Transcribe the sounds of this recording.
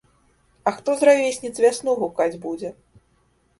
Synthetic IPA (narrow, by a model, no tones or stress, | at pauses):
ɐxt̪ɔzravʲesʲnʲit͡sʲvʲasnuɣukad͡zʲbud͡zʲɛ